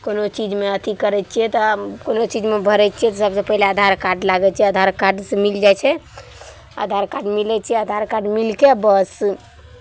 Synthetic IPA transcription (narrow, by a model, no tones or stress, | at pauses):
konot͡ʃid͡ʒmeət̪ʰikəɾɛt͡ʃʰijɛt̪ɔkonot͡ʃid͡ʒmebʱəɾɛt͡ʃʰijɛt̪ɔsəbsə̃pəilead̪ʱaɾkaɾɖlaɡɛt͡ʃʰiɛəd̪ʱaɾkaɖsemild͡ʒajt͡ʃʰɛ | a̰d̪ʱaɾkaɾɖmilɛt͡ʃʰijɛəd̪ʱaɾkaɾɖmilkebəs